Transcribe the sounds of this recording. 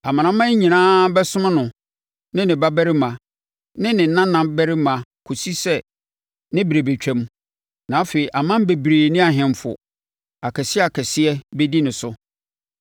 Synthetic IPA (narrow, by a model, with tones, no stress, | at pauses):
a˨mã˨ñã˦mã˦ɲĩ˨nãː˦bɛ˦sʊ̃˦mã˦nʊ̃˨ | nɪ̃˦nɪ̃˨ba˦bæ˦ɾɪ˦mã˨ | nɪ̃˦nɪ̃˨˦nã˦nã˨mbɛ˦ɾɪ˦mã˨kʰo˨si˦sɛ˦˨ | nɪ̃˦bi˨ɾe˨be˨t͡ɕᶣɛ̃˦m | nã˨˦fe˨i˨ʔa˨mã˦m˦be˨bɾeː˨nɪ̃˦a˨ɦɪ̃˨m˦fʊ̰˨ | a˨kʰɛ˨sɪ˦ɛ˦a˨kʰɛ˨sɪ˦ɛ˦be˦di˦nɪ̃˨sʊ˦